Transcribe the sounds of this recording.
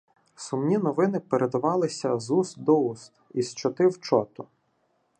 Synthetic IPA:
sʊmnʲinɔʋɪnɪpeɾed̪ɐʋɑlˠɪsʲɐzus̚d̪ɔust̪ist͡ʃɔt̪ɪwt͡ʃɔt̪ʊ

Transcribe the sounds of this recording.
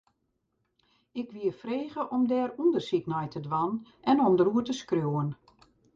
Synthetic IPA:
ɪkʋiəfreːɣəʔɔmdɛːɾundərsik̚nɛjtʰədʋan | ɛnɔmdəɾuətəskrjoːən

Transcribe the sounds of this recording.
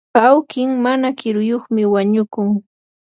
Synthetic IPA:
awkɪŋmanakɪɾʊjoχmɪwaɲʊkʊŋ

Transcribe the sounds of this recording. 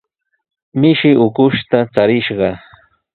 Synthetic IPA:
mɪʃɪʔʊkʊʃt̪at͡saɾɪʃɢɑ

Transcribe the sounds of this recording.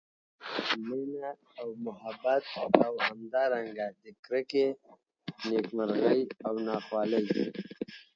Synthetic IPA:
mənaː | wmʊhabat̪awhamd̪ɑɾaŋɡad̪əkɾəke | nekmaɾɣəjawnɑxwɑːləje

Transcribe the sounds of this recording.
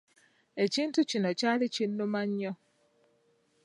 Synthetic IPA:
eciːntucinocaːlicinːumaɲːɔ

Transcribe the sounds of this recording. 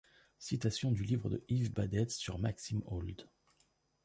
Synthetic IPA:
sit̪asjɔ̃d̪ylivʁəd̪ə̰ivbad̪ɛt̪syʁmaksimold̪

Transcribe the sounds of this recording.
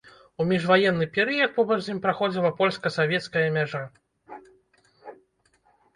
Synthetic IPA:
umʲiʐvajɛnːɨpʲɛɾɨjɐt̪̚pɔbɐʐzʲimʲpɾaxɔd͡zʲilˠɐpɔlʲskɐsavʲɛt̪skɐjɐmʲaʐa

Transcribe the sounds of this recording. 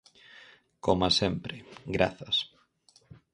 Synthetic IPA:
komasempɾeɡɾa̰θas

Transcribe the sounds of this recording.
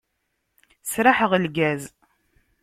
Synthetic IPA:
sɾaħəʁəlɡæz

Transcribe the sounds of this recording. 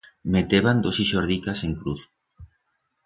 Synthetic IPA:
met̪eβand̪osiʃoɾðikaseŋkɾuθ

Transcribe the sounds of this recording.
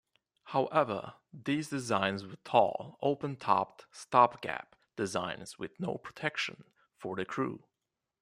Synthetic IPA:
haʊʔɛvə̰˞ | ðizdɨzãɪ̃nzwətʰɔ̰lˠoʊpə̃ntʰɑ̰p̚tstɑpɡ̥æ̰p | d̥ɨzãɪ̃nz̥wɪ̰ðnoʊpʰɹ̥ə̥tʰɛkʃɨ̃n | fə˞ðɨkʰɹ̥ṵ

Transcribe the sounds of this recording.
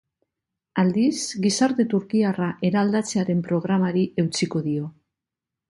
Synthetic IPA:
ald̪isɡisaɾt̪e̞t̪uɾkiaraʔe̞ɾaːld̪at͡se̞aɾe̞mpɾo̞ɣ̞ɾamaɾie̞wt͡siko̞ðio̞

